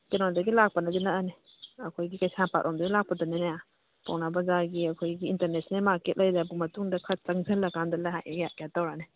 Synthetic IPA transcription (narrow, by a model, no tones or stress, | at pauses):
kenɔdɐɡilak̚pɐnɐɡinɐane | ɐkʰojɡikɐjsanpa̰t̚ɾʔɔmdɐɡilak̚pɐdɐnenaja | pa̰wnabɐzaɡiɐkʰojɡiːnteɾnesnelmaket̚lɐjdabumɐtuŋdɐkʰɐt̚t͡ʃɐŋzelɐkandɐlajɦajaɡjat̚kejat̚tawɾane